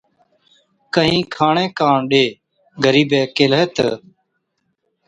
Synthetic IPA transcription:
kəɦĩːkʰaːɳẽːkãːɳɗeː | ɡəɾiːbeːkeːlɦeːt̪ə̰

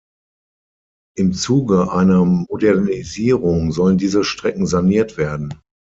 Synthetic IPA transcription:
ʔɪmt͡suːɡəʔa̰ɪnɐmodɛɐniziːʁʊŋzɔləndiːzəʃtʁ̥ɛkŋ̩zaniːɐtv̥eːɐdn̩

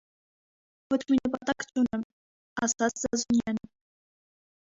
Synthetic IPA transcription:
vɔt̪ʰminəpɑt̪ɑkt͡ʃʰunɛm | ɑsɑt͡sʰzɑzunjɑn

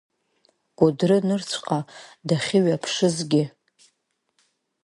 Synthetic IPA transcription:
ɡ̥ʷodrɨnɨrt͡sʷʰqʼadaχʲɪɥapʰʂɨzɡʲɪ

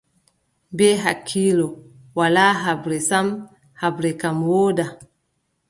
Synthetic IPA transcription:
bɛɦakʰːilɔ | walaːɦabɾɛsam | habɾɛkamwoːda

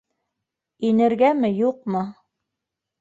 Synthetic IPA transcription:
inɘ̆ɾɡæmɘjuqmɤ

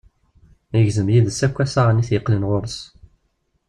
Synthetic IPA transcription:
jəʝzəmjiðəsækʷːæsaʁəniθjəqːlənʁʊɾəs

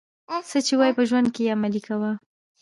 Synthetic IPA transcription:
sət͡ʃewajipəʒwand̪̚kejeamalikʰawa

